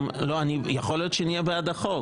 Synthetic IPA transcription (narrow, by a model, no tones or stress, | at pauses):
mlo̞anijaχo̞lijo̞t̪ʃenijebead̪aχo̞